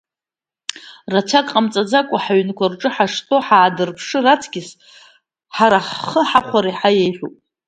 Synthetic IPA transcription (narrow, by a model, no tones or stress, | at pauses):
rat͡ʃʷʰakʼqʼamt͡sʼad͡zakʷʼaħaɥnkʷarʈ͡ʂʼɨħaʂtʼo̞ħaːdɨrpʰʂɨrat͡sʰɡʲɪs | ħaɾaħəħaχʷaɾiħajejħʷᶣupʼ